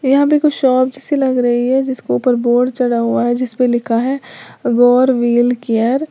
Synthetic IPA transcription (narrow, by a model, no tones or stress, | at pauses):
jɐɦãbʱikoʃɔːp̚d͡ʒɪsilɐɡɾɐɦiɦɛd͡ʒɪskopəɾboːɖt͡ʃɐɽaɦuaɦɛd͡ʒɪspẽlɪkʰaɦɛːɡɔːɾʋiːlkejəɾ